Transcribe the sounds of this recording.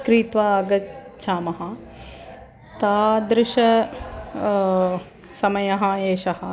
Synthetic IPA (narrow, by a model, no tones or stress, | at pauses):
kɾiːt̪ʋaɐɡɐt̪t͡ʃʰaːmɐɦɐ | t̪aːd̪ɾɪʃɐ | sɐmɐjɐɦɐeːʃɐɦɐ